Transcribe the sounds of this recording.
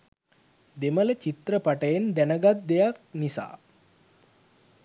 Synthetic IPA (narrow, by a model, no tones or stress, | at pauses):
d̪emələt͡ʃit̪rəpaʈəjend̪ænəɡat̪̚d̪ejak̚nisa̰ː